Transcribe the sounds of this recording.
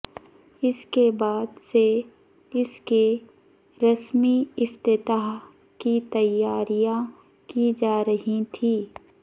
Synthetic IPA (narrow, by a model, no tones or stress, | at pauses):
ɪskebaːd̪se | ɪske | ɾɐsmiɪft̪ɪt̪aːɦ | kit̪ɐjaːɾijã | kid͡ʒaːɾəɦit̪ʰiː